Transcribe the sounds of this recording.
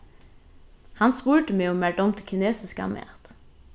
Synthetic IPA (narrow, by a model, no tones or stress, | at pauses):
hɑnspuːʈəmeːoːmæʈəɔmt̪ʰɪlkʰɪneːsɪskɑ̰mḛːt̪